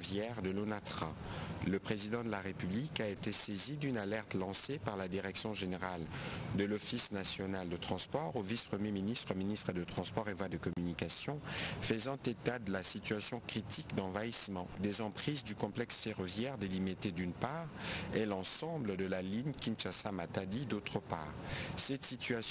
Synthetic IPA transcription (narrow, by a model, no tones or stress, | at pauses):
vjɛʁd̪əlonat̪χã̰ləpχezid̪ɑ̃d̪əlaʁepyblikaet̪esezid̪ynalɛʁt̪lɑ̃sepaʁlad̪iʁɛksjɔ̃ʒeneʁald̪əlɔfisnasjɔnald̪ət̪χɑ̃spɔʁovispχəmjeminist̪χəminist̪χəd̪ət̪χɑ̃spɔʁevwad̪əkɔmynikasjɔ̃fəzɑ̃t̪et̪ad̪əlasit̪yasjɔ̃kχit̪ʰikd̪ɑ̃vaismɑ̃d̪ezɑ̃pχizd̪ykɔ̃plɛksfeʁɔvjɛʁd̪elimet̪ed̪ynpaʁɛlɑ̃sɑ̃bləd̪əlaliɲkʲinʃasamat̪ad̪id̪ot̪χəpa̰ːʁsɛt̪sit̪ya